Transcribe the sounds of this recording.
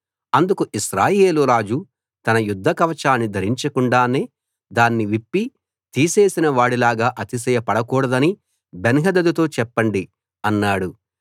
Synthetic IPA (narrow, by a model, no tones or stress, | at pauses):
ɐnd̪ukuʔiʃɾaːje̞ːluɾaːd͡ʒu | t̪ɐnɐjud̪ʱːɐkɐʋɐt͡ʃaːnːid̪ʱɐɾiɲt͡ʃɐkuɳɖaːne̞ː | d̪aːnːiʋipːi | t̪iːse̞ːsinɐʋaːɽilaːɡaːʔɐt̪is̬ɛjɐpɐɽɐkɔːɽɐd̪ɐni | benɦɐd̪ɐd̪ut̪o̞ːt͡ʃɛpːɐɳɖi | ɐnːaːɽu